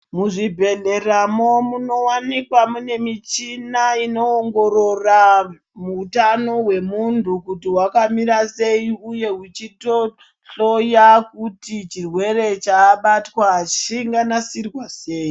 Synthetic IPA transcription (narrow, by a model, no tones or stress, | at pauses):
muʐibʱe̞ɮe̞ramo̞muno̞wanikwamune̞mit͡ʃinaino̞ːŋɡoɾo̞ra | muːtano̞ɦwe̞muntukutiwakamiɾase̞iuje̞ɦut͡ʃito̞ | ɬojakutit͡ʃirwe̞re̞t͡ʃaːɓatwaʃiŋɡanasirwaseːji